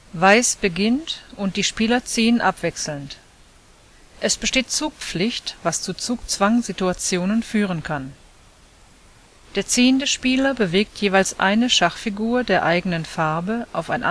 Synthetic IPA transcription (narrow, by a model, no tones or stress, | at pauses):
vaɪsb̥əɡɪntʔʊnt̚d̥iːʃpiːlɐt͡siːənʔapv̥ɛksl̩nt | ʔɛsb̥əʃteːt̚t͡suːk̚p͡flɪçtv̥ast͡sut͡suːkt͡sv̥aŋzituat͡sjoːnənfyːʁ̞ənkʰan | d̥eːɐt͡siːəndəʃpiːlɐbəveːk̚tʰjeːvaɪlsʔa̰ɪnəʃaχfiɡuːɐdeːɐʔaɪɡənənfaɐbəʔaʊfaɪnʔ